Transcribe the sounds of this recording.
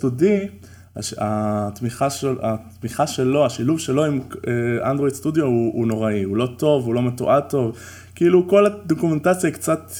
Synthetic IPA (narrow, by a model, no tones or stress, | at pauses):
tudi | a̰at̪miχaʃat̪miχaʃe̞lo̞aʃiluvʃe̞lo̞imeʔandʁo̞jdstudjouuno̞ʁaiulo̞to̞vulo̞metṵʔato̞v | kiiluko̞lad̪okumentat͡sjakt͡sat